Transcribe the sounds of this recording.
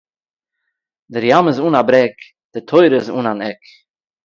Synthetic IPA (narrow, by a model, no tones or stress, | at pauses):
dɪɾjamɪzuːnabɾɛk | d̥ɪtʰoɪɾɪzṵːnanɛk